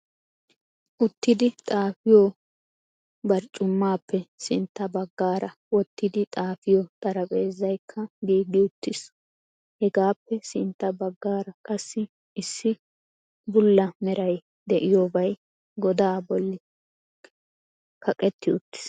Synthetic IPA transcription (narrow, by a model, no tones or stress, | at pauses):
ʔʊt̪ːɪd̪ɪt̪ʼaːfɪjoː | bɐɾt͡ʃʼːʊmːaːpːɛsɪnt̪ːɐbɐɡːaːɾɐ | wɔt̪ːɪd̪ɪt̪ʼaːfɪjot̪ʼɐɾɐpʼe̞ːzːɐjkʰːɐɡiːɡɪʊt̪ːɪs | hɛɡaːpːɛsɪnt̪ːɐbɐɡːaːɾɐkʼɐsːɪ | ɪsːɪ | bʊlːɐmɛɾɐj | d̪ɛʔɪjoːbɐj | ɡɔd̪aːbɔlːɪ | kʰɐkʼɛt̪ːɪʊt̪ːɪ̥s